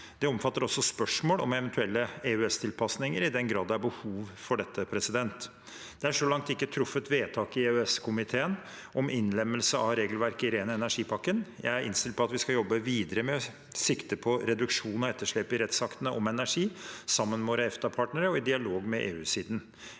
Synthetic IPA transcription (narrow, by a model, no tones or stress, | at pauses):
d̪ɛɔmfɑt̪ːəɾɔsːɔspœʂmoːlɔ̰mɛʋɛnt̪ʰʉɛlːəeʉɛst̪ʰɪlpʰɑsnɪŋəɾɪd̪ɛnɡɾɑːd̪ɑbəhuːʋfɔɖɛt̪ːəpʰɾɛsɪd̪ɛnt̪ | d̪̥ɛæʂɔlɑŋt̪ɪkːət̪ʰɾʊfːət̪ʋeːt̪ʰɑːkɪʉɛskʰʊmɪt̪ʰeːən | ʔɔmɪnːlɛmːəlsəʔɑʋɾeːɡəlʋæɾkəɪɾeːnəɛnæʂiːpʰɑkːənjæ̰ɪæɾʔɪ̰nst̪ɪl̚pʰɔɑt̪ʋɪskɑjɔbːəʋiːd̪əɾəmɛ | sɪkt̪əpʰɔɾɛd̪ʉkʂuːnɔɛt̪ːəʂɭɛpɪɾɛt̪sɑkt̪ənəʔɔ̰mɛnæʂiːsɑmːənmɛʋoːɾəɛft̪ɑpʰɑːʈnəɾəɔɪd̪ɪɑloːɡmɛʔḛːʉːsiːd̪n̩